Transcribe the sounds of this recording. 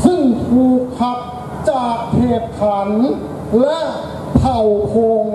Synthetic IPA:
kʰɯ˧˩ŋt̪ʰuː˧kʰa˦˥p̚ | t͡ɕaː˨˩k̚pʰeː˨˩p̚kʰːa˩˦˥n | lɛ˦˥ʔ | p̪ʰa˨˩wpʰoː˧ŋ

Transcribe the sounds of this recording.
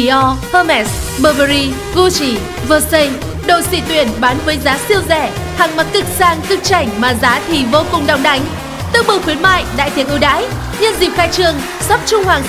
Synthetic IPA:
ʔɔ˧həː˧mɛ˦˥sɓəː˧˩və˧ɾi˧ | ɣu˧t͡ɕi˧˩ | vəː˧˩sə˧j | ɗo̰˧˨jsḭ˧˩t̪wi˧˩ənɓaː˨˦nvəː˨˦jzaː˨˦si˧əwzɛ̰˧˩ | ha˨˩ŋma˨˩t̚kɨ˦˥k̚saː˧ŋkɨ˦˥k̚t͡ɕa˧˩jŋ̟maː˨˩zaː˨˦t̪ʰi˨˩vo˧kʊ˨˩ŋ͡mɗa˨˧˩wŋ͡mɗa˨˦jŋ̟ | t̪ɨ˧əŋ͡mɓɨ˨˩wxwi˨˦ənma̰ː˧˨jɗa̰ː˧˨jt̪ʰi˨˩əŋʔɨ˧ɗa̰ː˧˥j | ɲə˧nzi˨˩p̚xaː˧jt͡ɕɨ˧əŋ | sɔ˦˥p̚t͡ɕʊ˧ŋ͡mhwaː˨˩ŋ

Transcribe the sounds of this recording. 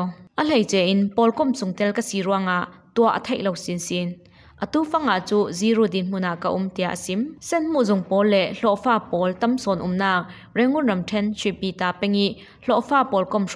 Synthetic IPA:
ʔə˨l̥e˨jt͡sɛ˨ʔɪ˨˦npɔ˨˦lkɔ˥˨msʊ˨ŋt̪ɛ˦lkɐ˦siː˨ɾu˧˥ɐŋa˨ʔt̪u˧˨ɐʔə̰˨t̪ʰe˦jlɔ˨wsi˨nsi˨˦n | ʔə˨t̪uː˦fɐ˥ŋa˨ʔt͡su˦zi˧˦ɾoː˦˨d̪i˨nm̥u˥˨na˨ʔka˧ʔʊ˦mt̪i˨a˨ʔə˨si˨˦msɛ˥˨nm̥u˥˨ʔzʊ˨ŋpɔ˨˦lːɛ˨ʔɬɔ˧˨ʔfaː˥˩pɔː˨˦lt̪ɐ˦msɔ˨nʔʊ˨mnaː˧˩k̚ | rɛ˨˥ŋʊ˥˨nrɐ˨mtʰɛ˥˨nsʰi˨piː˨t̪aː˨pɛ˥ŋi˦˥ | ɬɔ˧˨ʔfaː˥˨pɔ˨lkɔ˥˨m

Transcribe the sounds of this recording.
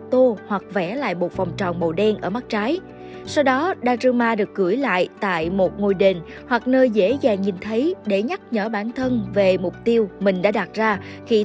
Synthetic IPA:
t̪o˧hwa˨˩k̚vɛ˧˩la̰ː˧˨jmo˨˩t̚fa˨˩wŋ͡mt͡ɕɔ̰˨˩nmə˨˩wɗɛ˧nʔəː˧˩ma˦˥k̚t͡ɕaː˨˦j | sa˧wɗɔ˨˦ɗaː˧˥zɨ˧maː˧ɗɨ˨˩ək̚ɣɨ˧˩jla̰ː˧˨jt̪a̰ː˧˨jmo˨˩t̚ŋo˧˩jɗe˨˩n | hwa˨˩k̚nəː˧jzḛ˧˥zaː˨˩ŋɲi˨˩nt̪ʰə˨˦jɗe˧˩ɲa˦˥k̚ɲəː˧˩ɓaː˧˩nt̪ʰə˧nve˨˩mʊ˨˩k͡p̚t̪i˧əwmï˨˩ŋ̟ɗa̰ː˧˥ɗa˨˩t̚zaː˧ | xi˧

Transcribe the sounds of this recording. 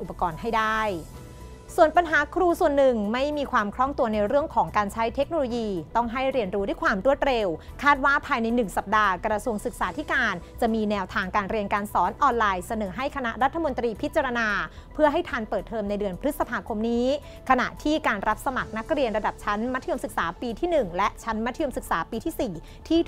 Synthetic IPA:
ʔu˨˩pːa˧kɔː˧nha˥˩jdaː˥˩j | su˨˩ənpa˧nɦaː˩˦kʰɾuː˧su˨˩ənːɯ˨˩ŋma˥˩jmiː˧kʰwaː˧mkʰɾɔ˥˩ŋt̪u˧ɐna˧jɾɯ˥˩əŋkʰɔː˩˦ŋkaː˧nt͡ɕʰa˦˥jt̪ʰe˦˥k̚noː˧loː˧jiː˧t̪ɔ˥˩ŋɦa˥˩jɾi˧ənɾuː˦da˥˩jkʰwaː˧mɾu˥˩ət̪̚ɾe˧w | kʰaː˥˩t̪̚waː˥˩pʰaː˧jna˧jnɯ˨˩ŋsa˨˩p̚daː˧kɾa˧su˧əŋsɯ˨˩k̚saː˩˦t̪ʰi˦˥kaː˧nt͡ɕa˨˩ʔmiː˧nɛː˧wt̪ʰaː˧ŋkaː˧nɾi˧ənkaː˧nsɔː˩˦˥nʔɔː˧nlaː˧jsa˧nɤː˩˦ɦa˥˩jkʰa˧na˦˥ʔɾa˦˥t̪ʰːa˧mo˧nt̪ɾiː˧pʰi˦˥t̪̚t͡ɕa˧ɾa˧naː˧pʰɯ˥˩ɐɦa˥˩jt̪ʰaː˧npɤː˨˩t̪ʰːɤː˧mna˧jdɯ˧ənpʰɾɯ˦˥t̪̚sa˧pʰaː˧kʰo˧mniː˦˥ | kʰa˧na̰˨˩ʔt̪ʰiː˥˩kaː˧nɾa˦˥p̚sa˧ma˨˩k̚na˦˥k̚ɾi˧ənɾa˧da˨˩p̚t͡ɕʰa˦˥nma˦˥t̪ʰːɯ˧əmsɯ˨˩k̚saː˩˦piː˧t̪ʰiː˥˩nɯ˨˩ŋlɛ˦˥ʔt͡ɕʰa˦˥nma˦˥t̪ʰɯ˧əmsɯ˨˩k̚saː˩˦piː˧t̪ʰiː˥˩siː˨˩ | t̪ʰiː˥˩

